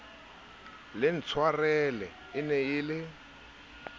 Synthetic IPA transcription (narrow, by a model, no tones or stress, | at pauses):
lɪn̩t͡sʰwarɛlɛ | ɪnɛɪːlɪ